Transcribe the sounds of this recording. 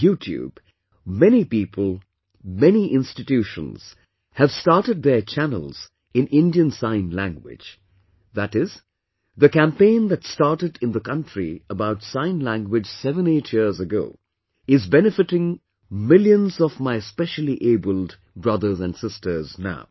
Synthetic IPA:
jutʰjṵb̥ | mɛnipipʰəl̩ˠ | mɛniʔɪ̃nstɨtʉʃə̰̃nz̥ | hɨv̥stɑɹɾɨd̪̚ðə˞t͡ʃʰænə̰l̩ˠz̥ | ɨ̃nɪ̃ndiɨ̃nsãɪ̃nlæ̰̃ŋɡwɪ̰̥d͡ʒ | ðæɾɪz | ðɨkæ̃mpẽɪ̃nðɨtstɑɹɾɨɾɨ̃nðəkʌ̃ntɹ̥iəbaʊtsãɪ̃nlæ̃ŋɡwɪd͡ʒ̥sɛvə̃neɪtʰjɪɹzəɡoʊ | ɪzbɛnɨfɨɾɪ̃ŋ | mɪlˠjɨ̃nzɔvmaɪspɛʃl̩ˠiʔeɪbəlˠd | bɹʌðə˞zɨ̃nsɪstə˞zna̰ʊ

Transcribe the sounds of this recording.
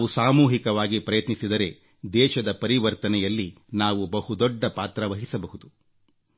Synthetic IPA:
usaːmuːɦikɐʋaːɡipɾɐjɐt̪nisid̪ɐɾe̞ | d̪ɛːʃɐd̪ɐpɐɾiʋɐɾt̪ɐnɛjɐlːi | naːʋubɐhud̪ɔɖːɐpaːt̪ɾɐʋɐɦisɐbɐɦud̪u

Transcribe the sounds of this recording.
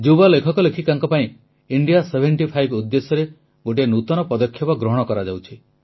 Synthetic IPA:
d͡ʒubalekʰɔkɔlekʰikaŋkɔpaĩ | iɳɖijasebʱeɳʈipʰajbud̪ːesɔɾe | ɡoʈ̬ienut̪ɔnɔpɔd̪ɔkʰjɔpɔɡɾɔɦɔɽ̃ɔkɔɾad͡ʒawt͡ʃʰi

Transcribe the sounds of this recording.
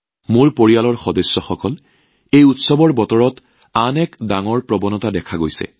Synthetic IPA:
moɹpoɹialɔɹxɔdɔsːɔxɔkɔl | ejutsɔbɔɹbɔtɔɹɔt | anɛkdaŋɔɹpɹɔbɔnɔtadɛkʰaɡojsɛ̰

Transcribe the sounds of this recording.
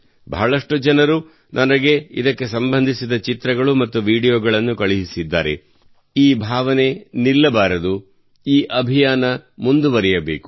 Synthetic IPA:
bʱɐɦɐɭɐʂʈud͡ʒɐnɐɾu | nʔɐnɐɡe̞ḭd̪ɐkːe̞sɐmbɐnd̪ʱisid̪ɐt͡ʃit̪ɾɐɡɐɭumɐt̪ːuʋiːɽijoːɡɐɭɐnːukɐɭiɦisid̪ːa̰ːɾe̞̰ | iːbʱaːʋɐne̞nilːɐbaːɾɐd̪u | iːʔɐbʱijaːnɐmund̪uʋɐɾijɐbe̞ːku

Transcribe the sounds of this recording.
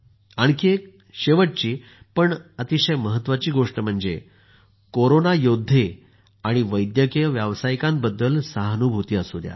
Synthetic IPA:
aɳkie | ɕeʋəʈ̚t͡ɕiː | pəɳət̪iɕəjməɦət̪ːʋat͡ɕiːɡoʂʈəm̤əɳd͡ze | koɾonajod̪ʱːe | aɽ̃iʋəjd̪jəkijəʋjaʋsajkãm̚bəd̪ːəlsaɦnubʱut̪iːəsud̪ʱja̰

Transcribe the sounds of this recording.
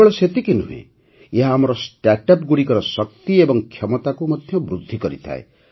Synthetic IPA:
eɭɔset̪ikinuɦṵḛ̃ | eɦaːmɔɾɔsʈaʈap̚ɡuɽikʌɾɔsʌk̚t̪iebɔŋkʰjʌmɔt̪akumɔd̪ʱjʌbɾud̪ʱːikʌɾit̪ʰa̰ḛ

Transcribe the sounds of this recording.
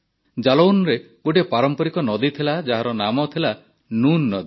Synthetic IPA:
d͡ʒalownɾe | ɡuʈepaɾɔmpɔɾikɔnɔd̪it̪ʰilad͡ʒaɦaɾɔnamɔt̪ʰila | nunːɔd̪i

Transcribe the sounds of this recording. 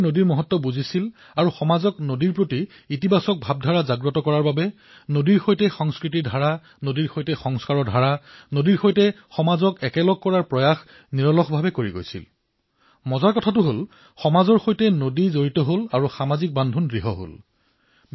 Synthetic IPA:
nodiɹmɔɦɔtːɔbuzisil | aɹuxɔmazɔknodiɹpɹoti | itibasɔk̚bʱab̚dʱaɹazaɡɹɔtɔkɔɹaɹbabɛ | nodiɹxojtɛxɔŋskɹitidʱaɹa | nodiɹxojtɛxɔŋskaɹɔdʱaɹanodiɹxojtɛ | xɔmazɔkɛkɛlɔɡ̚kɔɹaɹpɹɔjax | niɹɔlɔxbʱabɛkoɹiɡo̰jsḭl | mɔzaɹkɔtʰatʊɦol | xɔmazɔɹxojtɛnodizoɹitɔɦolaɹuxamazik̚bandʱunɡɹiɦɔɦo̰l

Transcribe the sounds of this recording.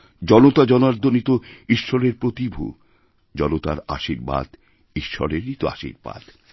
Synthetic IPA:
d͡ʑɔnot̪ad͡ʑɔnaɾd̪ʱonit̪oiʃːɔɾeɾpɾot̪ibʱṵ | d͡ʑɔnot̪a̰ɾa̰ʃiɾba̰d̪ | iʃːɔ̰ɾeɾnit̪oa̰ʃḭɾba̰d̪

